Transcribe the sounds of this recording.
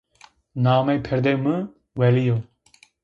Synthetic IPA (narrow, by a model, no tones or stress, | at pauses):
naːmɛjpʰɛɾd̪emɨ | wɛlijo